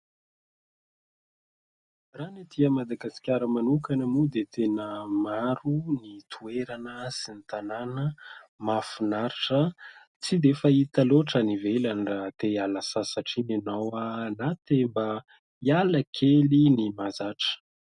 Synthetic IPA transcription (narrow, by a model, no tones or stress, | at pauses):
ranit̪iəmad̪aɡasi̥kʲaɾəmanukanəmud̪et̪ʰenəmaɾunit̪ʰueɾanəsinit̪ananəmafunaɾiʈ͡ʂə | t͡sid̪efait̪aloʈ͡ʂənivelanrat̪ealasasaʈ͡ʂinenawanat̪emba | ialəkʰelinimazaʈ͡ʂə̥